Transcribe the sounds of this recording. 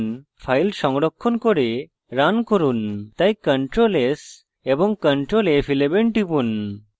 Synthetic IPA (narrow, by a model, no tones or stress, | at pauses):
n | pʰajlsɔŋɽɔkʰːɔnkɔɾe | ɾankɔɾunt̪ajkəɳʈɾoles | ebɔŋkəɳʈɾolepʰilebenʈipun